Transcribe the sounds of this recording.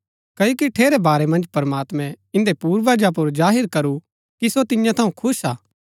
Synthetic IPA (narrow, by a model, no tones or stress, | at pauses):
kɐjokiʈʰeːɾebaːɾemɐ̃nd͡ʒpɐɾɐmaːt̪mɛ̃ | ɪ̃nd̪epuːɾʋaːd͡ʒap̬ʊɾzaːɦɪɾkɐɾu | kisot̪ɪjãt̪ʰɐũkʰʊsaː